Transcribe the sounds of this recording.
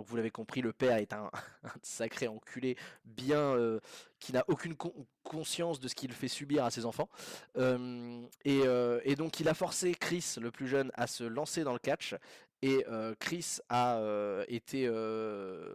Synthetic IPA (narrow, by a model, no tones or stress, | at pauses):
dd̪ɔ̃kvulavekɔ̃pχiləpɛʁɛt̪ɛ̃ɛ̃sakχeɑ̃kʲʰylebjɛ̃økʰʲinaʔokʲynk | kʰɔ̃sjɑ̃sd̪əsə̥kʲilfɛsybiʁasezɑ̃fɑ̃ømeøed̪ɔ̃kilafɔʁsekχisləplyʒœna̰səlɑ̃sed̪ɑ̃ləkat͡ʃ | eøkχisaøet̪ʰeø